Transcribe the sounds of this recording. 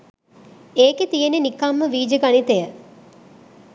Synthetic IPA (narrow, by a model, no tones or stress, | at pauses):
eːket̪ijenenikamːəʋiːd͡ʒəɡanit̪ejə